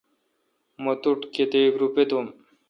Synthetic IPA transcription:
mot̪uʈket̪eikɾupet̪um

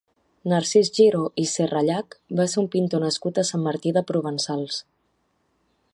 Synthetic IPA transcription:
naɾsizʒiɾoʔiseraʎakbaseumpint̪onəskut̪əsamːaɾt̪iðəpɾuβ̞ənsalˠs

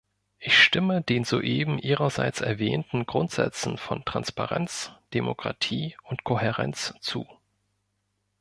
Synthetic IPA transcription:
ʔɪçʃtɪmədeːnzo̰ːʔeːbm̩ʔiːʁɐza̰ɪt͡sɛɐvɛːntn̩ɡʁʊntz̥ɛ̰t͡sn̩fɔntʁ̥anspaʁɛnt͡sd̥emokʁ̥a̰tʰiːʊntkʰoɛʁɛ̰nt͡st͡sṵː

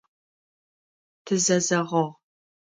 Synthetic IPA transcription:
tʰɨzɐzɐʁɐʁ

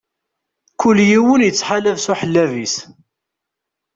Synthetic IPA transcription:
kʊlːjiwənjət͡sːħaləvsuħəlːævis

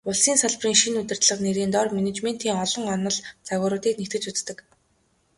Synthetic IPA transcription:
ʊɮsiːnsaɮpriːŋʃinut̪ʲɘ̆r̥t̪ɮə̆qneɾiːnt̪ɔrmenet͡ɕmen̥t̪ʰiːŋɔɮɞ̆ŋɔnɞ̆ɮt͡saɣʲʊːɾʊːt̪iːknekt̪ɘ̆t͡ɕut͡st̪ɘ̆k

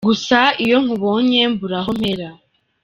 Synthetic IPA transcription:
ɡusaijo̞ŋ̥uβo̞ːɲembuɾaɦom̥e̞ɾa

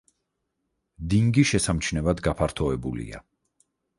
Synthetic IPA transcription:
d̪iŋɡiʃɛsamt͡ʃʰnɛvad̪ɡapʰaɾt̪ʰɔɛbulḭa̰

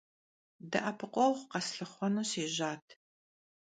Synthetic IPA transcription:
dɐ̰ʔɐpʰɨqʷʼɔwχʷqɐsɬɨχʷɔnuseːʒaːtʰ

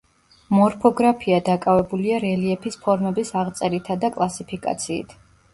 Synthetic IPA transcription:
mɔɾpʰɔɡɾapʰiad̪akʼavɛbuliaɾɛliɛpʰispʰɔɾmɛbisaʁt̪sʼɛɾit̪ʰad̪akʼlˠasipʰikʼa̰t̪sʰḭːt̪ʰ

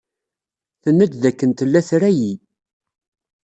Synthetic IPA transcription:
θənːədðækːənt̪əlːæθɾæji

